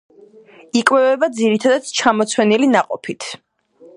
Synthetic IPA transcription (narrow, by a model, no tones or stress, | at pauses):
ikʼwɛvɛbad̪ziɾit̪ʰad̪ad̪̥t͡ʃʰamɔt̪sʰwɛnilinaqʼɔpʰit̪ʰ